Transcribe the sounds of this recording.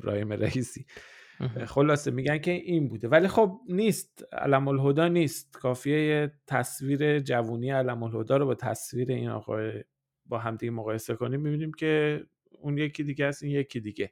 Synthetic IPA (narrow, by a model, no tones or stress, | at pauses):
ɾɒ̰ːhimeɾæiːsiː | χo̞lɒːse̞miɟæncʰe̞ʔiːnbuːd̪e̞vælixob̚niːst̪æ̰læmolɦod̪ɒːniːst̪̚kʰɒːfijejet̪ʰæsviːɾe̞d͡ʒævuːniːjeælæmolhod̪ɒːɾobɒːt̪ʰæ̰sviːɾe̞iːnɒ̰ːɣɒ̰ːe | bɒːɦæmd̪iɡemoɣɒːje̞se̞ko̞nimːibiːniːmcʰe̞ | uːnje̞cʰid̪iːɡehæsinjecʰid̪iɟe̞